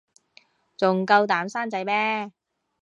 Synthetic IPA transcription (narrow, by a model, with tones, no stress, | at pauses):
t͡sʊ˨ŋkɐ˧wt̪aː˨˥msaː˥nt͡sɐ˨˧˥jmɛː˥